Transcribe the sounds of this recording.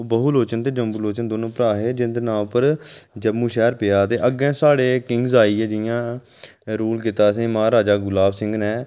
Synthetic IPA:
oːbəɦuloːt͡ʃənt̪eːd͡ʒəmbuːloːt͡ʃənd̪oːnõːpəɾaːɦeːd͡ʒɪnd̪enãːpəɾd͡ʒəmːũːʃɛːɾpɪjaːt̪eːʔəɡɛ̃ːsaːɽeːkɪ̃ŋɡzaːiːɛːd͡ʒɪjãː | ɾuːlk̬ɪt̪aːsẽːmãːɾaːd͡ʒaːɡʊlaːbsɪ̃ŋɡnɛ̃ː

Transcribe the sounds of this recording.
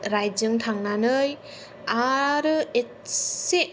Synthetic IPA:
ɾajd͡ʒɯŋtʰaŋnanɯj | aɾɯe | se

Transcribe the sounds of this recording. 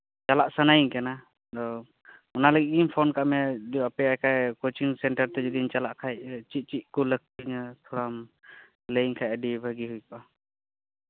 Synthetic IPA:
t͡ʃalaʔsanajiŋkana | d̪ɔ | ɔnaləɡiʔ̚impʰɔnkaʔmɛd̪iapɛajkʰajkot͡ʃiŋsɛɳʈəɾt̪ɛd͡ʒɔd̪int͡ʃalaʔkʰajt͡ʃit̪̚t͡ʃit̪̚kɔlək̚tiɲt̪ʰɔɾam | ləjŋkʰajəɖibʱəɡiɦujpa

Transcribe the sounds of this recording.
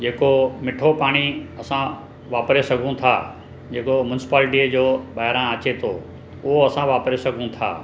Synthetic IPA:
d͡ʑeːkomɪʈʰopaːɽ̃iɐsã | ʋaːpɾesɐɡʱũt̪ʰa̰ː | d͡ʑeːkomjʊnɪsɪ̥paːlʈiəd͡ʑoːɓaːɦɾãɐt͡ɕet̪ʰoː | ʊɦoɐsãʋaːpɾesɐɡʱũt̪ʰa̰ː

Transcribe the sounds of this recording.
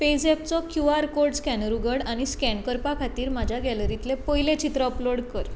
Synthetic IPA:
ped͡zep̚t͡sɔkjuaɾkoɾɖskɛnɾuɡəɽaɽ̃iskɛɳkəɾpakʰat̪iːɾmad͡ʑʱjaɡɛləɾit̪lepəɦilẽt͡ɕit̪ɾəəploɽkəɾ

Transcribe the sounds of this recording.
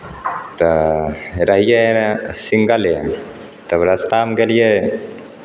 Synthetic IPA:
t̪ə | ɾɐɦijesiŋɡale | t̪ɐʋɾɐst̪aːmkelije

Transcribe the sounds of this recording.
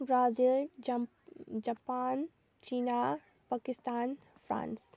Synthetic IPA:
bɾaːzil | d͡ʒapaːn | t͡ʃiːna | pakɪst̪aːn | fɾa̰ːns

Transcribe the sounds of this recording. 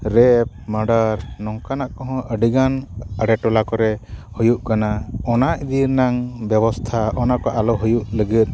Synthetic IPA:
ɾɛp̚məɖaɾnɔŋkanaʔkɔɦɔ̃ʔəɖiɡanəɽɛʈɔlakɔɾɛhujuʔkanaɔnaʔid̪iɾnaŋbɛbɔst̪ʰaɔnakɔʔalɔɦujuʔləɡit̪̚

